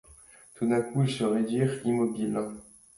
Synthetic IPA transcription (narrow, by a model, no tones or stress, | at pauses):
t̪ud̪ɛ̃kuilsəʁed̪ɥiʁimɔbil